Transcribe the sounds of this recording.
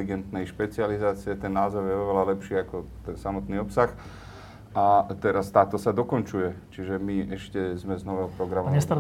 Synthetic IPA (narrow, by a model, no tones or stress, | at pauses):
liɡɛnt̪nɛjʃpɛt͡sializaːt͡siɛt̪ɛnːaːzɔʊjɛɔʋɛlalɛpʃiːakɔt̪ɛnsamɔt̪niːɔpsax | ʔat̪ɛɾast̪aːt̪ɔsad̪ɔkɔnt͡ʃujɛt͡ʃiʒɛmiɛʃcɛzmɛznɔʋɛɔpɾɔɡɾamɔɲɛst̪a